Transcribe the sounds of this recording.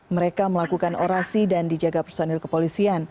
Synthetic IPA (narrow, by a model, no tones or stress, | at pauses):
məɾekaməlakukanʔoɾasidandid͡ʒaɡapərsonɛlkəpolisian